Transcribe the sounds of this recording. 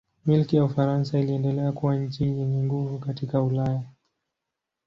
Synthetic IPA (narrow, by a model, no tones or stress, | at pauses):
milkijaufaɾansailiɛndɛlɛakuwaɲ̩t͡ʃijɛɲɛŋɡuvukatikaulaja